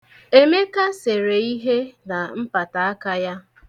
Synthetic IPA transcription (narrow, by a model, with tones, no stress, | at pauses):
e˦me˦ka˦se˨ɾe˨i˦ɦe˦na˨m̩˦pa˨ta˨a˦ka˦ja˦